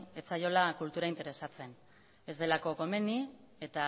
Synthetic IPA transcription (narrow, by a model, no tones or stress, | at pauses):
et͡sajo̞lakult̪uɾaint̪e̞ɾe̞sat͡se̞n | e̞zd̪e̞lako̞ko̞me̞ni | e̞t̪a